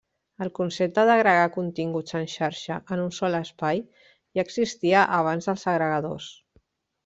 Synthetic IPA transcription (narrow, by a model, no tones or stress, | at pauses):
əlˠkunsep̚t̪əðəɣɾəɣ̞akunt̪iŋɡut͡sənʲʃaɾʃəʔənunsɔləspaj | iəɡzist̪iəʔəβ̞anzðəlˠzəɣɾəɣəðo̰s